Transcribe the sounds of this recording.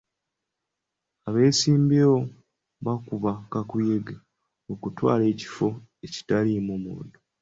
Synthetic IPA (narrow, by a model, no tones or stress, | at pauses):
aβe̞ːsiːmbeo | βakuβakakujeɡe | okutwa̰ːle̞ːci̥fo̞eci̥talimumṵdo